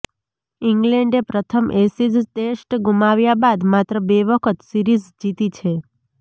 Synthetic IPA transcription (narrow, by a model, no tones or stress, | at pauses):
iŋɡlɛɳɖepɾət̪ʰəmʔesid͡ʒd̪eʃʈɡumaʋjabad̪mat̪ɾəbeʋəkʰət̪siɾizd͡ʒit̪it͡ʃʰe